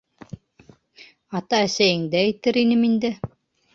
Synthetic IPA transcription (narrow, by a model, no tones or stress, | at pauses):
ɑt̪ɑæsæjɘ̆ŋd̪æɘ̆jt̪ɘɾinɘmind̪ɘ